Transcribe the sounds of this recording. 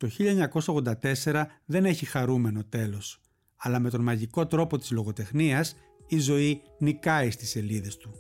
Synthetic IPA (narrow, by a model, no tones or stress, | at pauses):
t̪o̞çiʎɐeɲɐko̞sɐoɣðond̪ɐt̪e̞se̞ɾɐðe̞ne̞çixɐɾume̞no̞t̪e̞lo̞s | ɐlɐme̞t̪o̞nmɐʝiko̞t̪ɾo̞po̞t̪i̥zlo̞ɣo̞t̪e̞xniɐs | izo̞i | nikɐist̪i̥se̞liðe̞st̪u